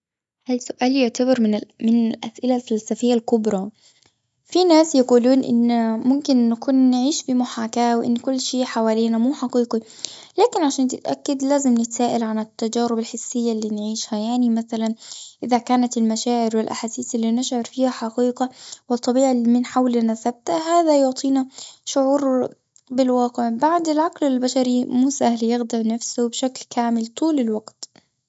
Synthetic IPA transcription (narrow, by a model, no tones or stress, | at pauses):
halsʊʔaːljʊʕt̪abɪɾmnmɪnɪlʔa̰sʔɪlalfalsafɪjːalkʊbɾˤɑ | finaːsjaquːluːnʔɪ̰nːmʊmkɪnʔːakuːnːʕiːʃfimʊħaːkaːwʔɪ̰nːkʊlːʃeːʔħawaːliːnamuːħɑqiːqi | laːkɪnʕaʃaːnt̪ɪt̪ʔa̰kːad̪laːzɪmnɪt̪saːʔɪlʕanɪt̪ːad͡ʒaːɾɪbalħɪsːɪjːalːiːnʕiːʃhajaʕnimaθalanʔɪðakaːnat̪ɪlmaʃaːʕɪɾwɪlʔa̰ħaːsiːθɪlːiːnɪʃʕɪɾfiːhaħɑqiːqɑwɪt̪ˤːɑbiːʕamɪnħawlanasab̚t̪ahaːðajʊʕt̪ˤʰiːnaʃʊʕuːɾ | bɪlwɑːqɪʕbaʕd̪alʕaqlɪlbaʃaɾimuːsahlijɪɣd̪ɑʕnafsʊbʃaklkaːmɪlt̪ˤuːlɪlwaɡt̪